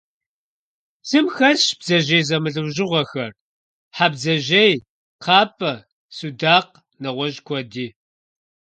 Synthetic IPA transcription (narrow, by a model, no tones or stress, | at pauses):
z̥ɨmxɐsɕb̥zɐʒejzɐmɨɮɨwʒɪʁʷɐxɐr | ħabzɐʑej | qʰɑːpʼɐ | sudaːq | nɐʁʷɔʒkʷʰɔdiː